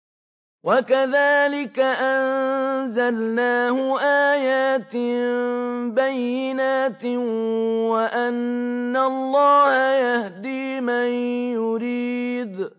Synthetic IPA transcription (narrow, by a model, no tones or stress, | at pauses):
wakaðaːlɪkaʔanzalnaːhʊʔaːjaːt̪ | bajːɪnaːt̪ | waʔanːaɑlˤːɑːhajahd̪iːmanjʊɾiːd̪